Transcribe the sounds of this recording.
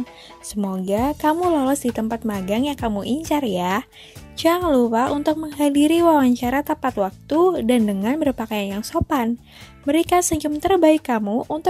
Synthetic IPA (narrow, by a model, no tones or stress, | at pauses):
səmoɡakamulalɔsdit̪əmpat̪̚maɡaŋjakamuʔiɲt͡ʃarja | t͡ʃaŋluwaʔunt̪ʊk̚məŋɦadiɾiwawaɲt͡ʃaɾat̪apat̪wak̚t̪udandəŋanbərpakajanjaŋsopan | məɾekasəɲd͡ʒʊmt̪ərbaɪkːamuʔunt̪